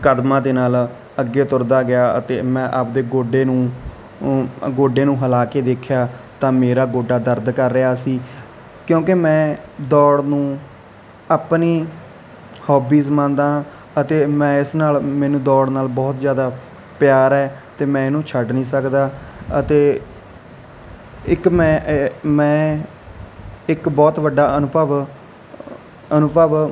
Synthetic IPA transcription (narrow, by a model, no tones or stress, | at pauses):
kəd̪mãːd̪eːnaːl | əɡːeːt̪ʊɾd̪aːɡɪjaːə̰t̪eːmɛ̃ːʔapd̪eːɡoːɖeːnũː | ɡoːɖeːnũːɦəlaːkeːd̪eːkʰjaːt̪ãːmeːɾaːɡoːɖaːd̪əɾd̪kəɾːɪaːsiː | kjõːkɪmɛ̃ːd̪ɔːɽnũː | aːpniː | hɔːbiːzmãːnd̪ãː | ət̪eːmɛ̃ːɪsnaːlmɛ̃ːnũːd̪ɔːɽnaːlbɔːt̪zjaːd̪aː | pjaːɾɛːt̪eːmɛ̃ːɪnũːt͡ʃʰəɖnĩːsəkd̪aːət̪eː | ɪkmɛ̃ːmɛ̃ː | ɪkbɔːt̪ʋəɖːaːənʊpəʋ | ənʊpəʋ